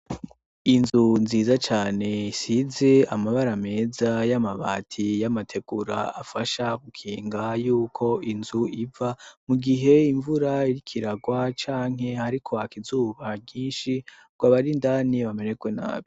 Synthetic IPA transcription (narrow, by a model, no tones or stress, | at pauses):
inzunziːzat͡ʃaːne̞size̞amaβaɾame̞ːzajamaβa̰ːtʰijamatʰe̞ɡ̥uɾa̰afaʃaɡukʰiːŋɡajuːkʰo̞inzuivamuɡiɦe̞iɱvuɾaiɾikʰiɾaɡwat͡ʃaːŋ̥he̞haɾikʰo̞akizuːβabɟiːnʃi | ɡ̥waβaɾindaːniβame̞nekwena̰ːβi